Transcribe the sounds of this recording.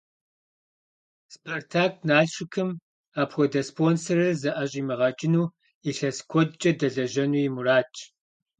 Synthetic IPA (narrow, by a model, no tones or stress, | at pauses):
spʰɐrtʰaːk̚ʰnaːɬɕɪkʰɨm | aːpxʷɔdɐspʰoːnsɐrɨzɐʔɐɕʼiːmɨʁɐt͡ʃʼɪnuː | iɬɐskʷʰɔdt͡ʃʼɐdɐɮɐʒɐnuːjɪmuraːt͡ʃʰʼ